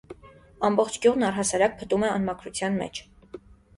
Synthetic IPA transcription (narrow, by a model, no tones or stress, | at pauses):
ɑmbɔχt͡ʃʰɡjuʁnɑrɦɑsɑɾɑk̚pʰət̪umɛɑnmɑkʰɾut͡sʰjɑnmɛ̰t͡ʃʰ